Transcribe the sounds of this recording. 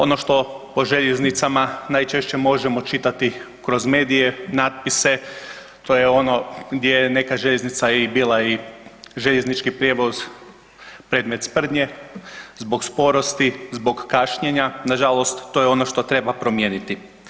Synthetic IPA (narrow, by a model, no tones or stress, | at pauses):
o̞no̞ʃt̪o̞po̞ʒeʎeznit̪samanaːjt͡ʃe̞ʃt͡ɕe̞mo̞ʒemo̞t͡ʃit̪at̪i | kɾo̞zme̞ːd̪ije̞naːt̪̚pise̞ | t̪o̞jeo̞no̞ɡd̪jejene̞kaʒeʎeznit̪saibiːlˠaiʒeʎeznit͡ʃkipɾʲje̞ʋo̞z | pɾe̞ːd̪me̞t̪spr̩d̪ɲe̞zbo̞ɡspo̞ɾo̞st̪izbo̞ɡkaːʃɲeɲanaʒalo̞st̪ːojeo̞no̞ʃt̪o̞t̪ɾe̞bapɾo̞mjeːnit̪i